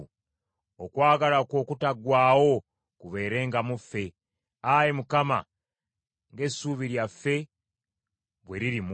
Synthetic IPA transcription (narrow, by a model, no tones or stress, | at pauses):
okwaːɡalako̞ːkutaɡwaːwo̞ | kuβe̞ːɾe̞ːŋɡamufːe̞ | ajemukama̰ | ŋɡe̞suːβiɾjafːe̞ | βwe̞ɾiɾim